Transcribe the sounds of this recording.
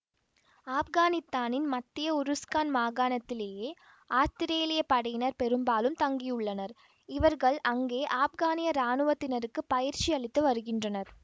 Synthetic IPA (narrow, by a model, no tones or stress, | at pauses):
aːfɣaːnɪst̪aːnɪnmɐt̪ːɪjɐʊɾɯskaːnmaːɣaːnɐt̪ːɪleːjeː | aːst̪ɪɾeːlɪjɐpɐɽɐjɪnɐɾpɛɾɯmbaːlɯmt̪ɐŋɡɪjɯɭːɐnɐɾ | ɪʋɐɾɣɐɭʔɐŋɡeːʔaːfɣaːnɪjɐɾaːnɯʋɐt̪ːɪnɐɾɯkːɯpːɐjɪɾt͡ʃiɐɭɪt̪ːɯʋɐɾɯɣɪndrɐnɐɾ